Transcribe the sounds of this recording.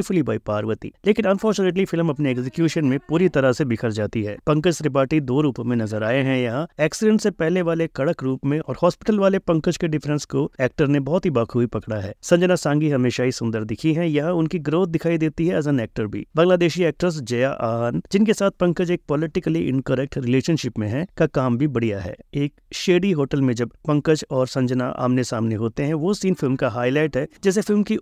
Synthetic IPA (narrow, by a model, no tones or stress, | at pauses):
fʊlibaːipaːɾʋət̪ḭːleːkɪ̃nɐnfʰɔːɾt͡ʃuːnəʈ̬lifɪlmɐpneɛksɪkjuːʃənmẽpuːɾit̪ɐɾasebɪkʰəɾd͡ʒaːt̪iɦɛ̰ːpɐ̃ŋkəd͡ʒsɾɪp̬aːɾʈid̪oːɾuːpmẽnɐzəɾaːeɦɛ̃jaɛːksɪɖɛ̃ɳʈsepɛɦleʋaːlekɐɽəkɾuːpmẽʔɔ̰ːɾhɔːspɪʈəlʋaːlepɐ̃ŋkəd͡ʒkeɖɪfɾɛ̃nskoɛːk̚ʈəɾnẽbɔɦʊt̪ɦibaːkʰuipɐkɽaɦɛ̰ːsɐ̃ɲd͡ʒnasãːŋɡiɦɐmeːʃaɦisʊ̃nd̪əɾd̪ɪkʰiɦɛ̃jɐɦʊnkiɡɾoːt̪̚ʰd̪ɪkʰaːid̪eːt̪iɦɛɐzənɛːk̚ʈəɾbʱḭːbɐ̃ŋɡlaːd̪eːʃiɛːk̚ʈəɾs̬d͡ʒɐjaʔaːɦənd͡ʒɪnkesaːt̪̚ʰpɐ̃ŋkəd͡ʒeːk̚pɔlɪʈɪkəliʔɪ̰̃nkəɾɛk̚ʈɾɪleːʃənʃɪpmẽɦɛ̃kakaːmbʱibɐɽijaɦɛ̰ːeːkʃeːɖiɦoːʈəlmẽd͡ʒɐbpɐ̃ŋkəd͡ʒɔːɾsɐ̃ɲd͡ʒəna̰ʔa̰ːmnesaːmneɦoːt̪eɦɛ̃ʋosiːnfɪlmkaɦaːilaːɪʈɦɛd͡ʒɛːs̬efɪlmki